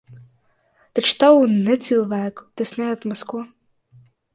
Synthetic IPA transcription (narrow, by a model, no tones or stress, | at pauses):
t̪at͡ʃt̪awunɛt̪silˠvæːku̥t̪ɛsnʲɛat̪maskuɔ